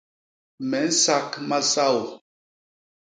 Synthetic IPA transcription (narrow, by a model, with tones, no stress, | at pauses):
mɛ˨˦n̩˦sa˦kma˦sa˦˨wo˨